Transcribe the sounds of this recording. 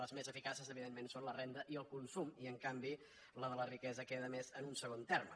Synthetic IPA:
ləzmezəfikasəzəβiðemːensonlərend̪əʔiəlˠkunsumiəŋkambi | ləðələrikɛzəkeðəmezənunsəɣont̪ɛrm

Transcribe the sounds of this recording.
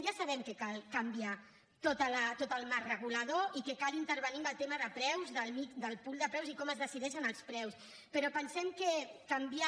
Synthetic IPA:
ʒasɐβɛmkekalˠkəmbia | t̪ot̪ələt̪ot̪əlˠmarrəɣ̞uləðoikekalint̪əɾβənimbəlˠt̪eməðəpɾɛwzðəlˠmid̪əlˠpulˠd̪əpɾɛwzikɔməzðəsiðɛʃənəlˠspɾɛws | pəɾɔpənsɛmkəkəmbia

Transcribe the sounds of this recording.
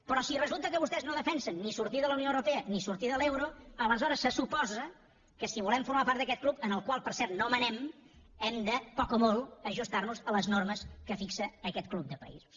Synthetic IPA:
pəɾɔsirəzulˠt̪əkəβust̪ɛznoðəfɛnsənːisuɾt̪iðələwnioəwɾupeənisuɾt̪iðəlewɾoələzɔɾəsːəsupɔzə | kəsiβulɛmfuɾmapaɾt̪əkɛt̪̚klupənəlˠkwalˠpəɾsɛɾt̪nomənɛm | ɛmd̪əpɔkəmolˠəʒust̪arnuzələznoɾməskəfiksəːkɛt̪̚klub̚d̪əpə̰ḭzus

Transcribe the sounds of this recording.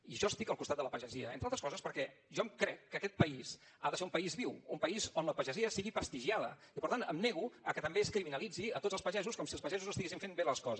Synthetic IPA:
iʒɔəst̪ikəlˠkust̪ad̪ələpəʒəziəḛnt̪ɾalt̪əskɔzəspəɾkɛʒɔmkɾɛkːəkɛt̪̚pəis | aðəseumpəizβiwumpəizonləpəʒəziəsiɣipəst̪iʒiaðə̰ | ipəɾt̪anə̰mneɣ̞uəkət̪əmbeskɾiminəlid͡ziət̪odd͡zəlˠspəʒɛzuskɔmsiəlˠspəʒɛzuzəst̪iɣesiɱfembeləskɔzə

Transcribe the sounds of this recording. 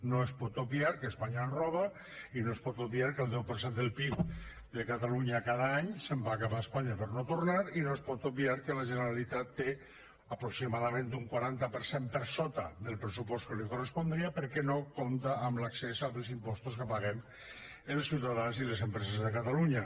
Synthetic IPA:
noespɔt̪obiaɾkəːspaɲaenrɔβ̞a | inoespɔt̪oβiaɾkəlˠd̪ɛwpəɾsend̪əlˠpik | d̪ekat̪aluɲakaðaaɲsəmbaːkapaespaɲapəɾnot̪oɾnaɾinoespɔt̪obiaɾkəlaʒenəɾalit̪at̪ːe | apɾoksimaðamẽnt̪uŋkwaɾant̪apəɾsempəɾsɔt̪a̰ðəlˠpɾəs̬upɔst̪kəlikorespond̪ɾiapəɾkɛnokont̪aːmlaksezaβəlˠsimpɔst̪oskəpaɣɛm | əlˠsiwt̪aðanzilesempɾesezðəkat̪aluɲa

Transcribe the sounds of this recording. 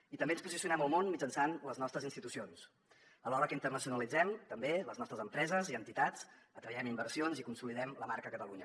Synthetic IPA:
it̪əmbeənspuzisiunɛməlˠmonmid͡ʒənsanləznɔst̪ɾəzinst̪it̪usions | əlɔɾəkəint̪ərnəsiunəlid͡zɛmt̪əmbeləznɔst̪ɾəzəmpɾɛzəziənt̪it̪at͡s | ət̪ɾəjɛmimbərsionzikunsuliðɛmləmaɾkəkət̪əluɲə̰

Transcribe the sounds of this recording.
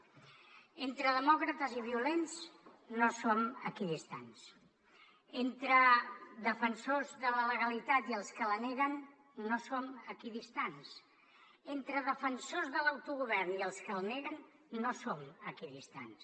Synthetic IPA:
ent̪ɾəðəmɔkɾət̪əziβiulensnosoməkiðist̪a̰ns | ent̪ɾəd̪əfənsozðələləɣalit̪at̪iəlˠskələneɣənː | osoməkiðist̪ans | ent̪ɾəðəfənsozðələwt̪uɣ̞uβɛrniəlˠskəlˠneɣənː | osoməkiðist̪a̰ns

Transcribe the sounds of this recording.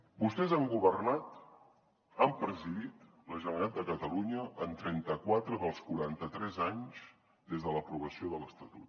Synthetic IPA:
bust̪ɛzaŋɡuβərnat̪ | ampɾəziðit̪ | ləʒənəɾat̪̚d̪əkət̪əluɲəʔənt̪ɾɛnt̪əkwat̪ɾəðəlˠskuɾant̪ət̪ɾɛzaɲz | d̪ezðələpɾuβ̞əsioðələst̪ət̪ut̪

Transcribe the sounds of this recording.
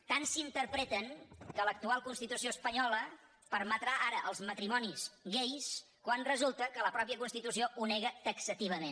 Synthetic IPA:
t̪ansiːnt̪əɾpɾɛt̪əŋkələk̚t̪ualˠkunst̪it̪usioəspəɲɔlə | pəɾmət̪ɾaʔaɾəʔəlˠzmət̪ɾimɔnisɣejs | kwanrəzulˠt̪əkələpɾɔpjəkunst̪it̪usioʔunɛɣət̪əksət̪iβ̞əmen

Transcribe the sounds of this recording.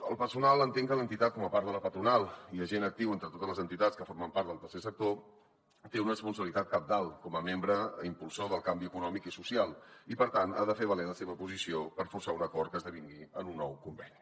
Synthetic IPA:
əlˠpəsunalˠənt̪eŋkələnt̪it̪at̪̚kɔməpaɾðələpət̪ɾunalˠiləʒenək̚t̪iwent̪ɾət̪ot̪əzləzənt̪it̪atskəfoɾməmpaɾt̪d̪əlˠt̪ərsesək̚t̪o | t̪eunərəspunsəβilit̪at̪̚kap̚d̪alˠkɔməmembɾəimpulˠsoðəlˠkambiəkunɔmikisusialˠipəɾt̪ana̰ðəfeβəlenləseβəpuzisiopəɾfursaunəkɔrkəzðəβiŋɡiənunːɔwkumbɛni

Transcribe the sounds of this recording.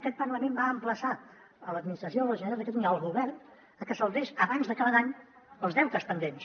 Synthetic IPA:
əkɛt̪̚pənləmembaːmpləsa | ələd̪minist̪ɾəsioləʒənəɾalˠd̪əkɛt̪unawəlˠɣuβɛrn | əkəsəlˠβeʃəβanzðəkaβəd̪aɲ | əlˠzðɛwt̪əspənd̪ens

